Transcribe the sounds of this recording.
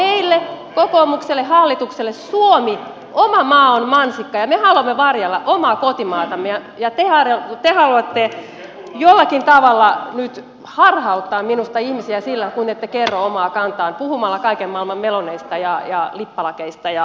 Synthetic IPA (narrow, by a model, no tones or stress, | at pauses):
meilːekokoːmukselːehɑlːit̪ukselːessuomi | omɑmɑːonmɑnsikːɑjɑmehɑluɑmːeʋɑrjɑlːɑʔomɑːkot̪imɑːt̪ɑmːejɑ | jɑt̪ehɑrt̪ehɑluɑt̪ːe | jolːɑkint̪ɑʋɑlːɑnyt̪ | hɑrhɑut̪ːɑːmminust̪ɑihmisiæsilːækuinet̪ːekerːoomɑːkɑnt̪ɑːnpuhumɑlːɑkɑikemmɑilmɑmmeloneist̪ɑjɑjɑlipːɑlɑkeist̪ɑjɑ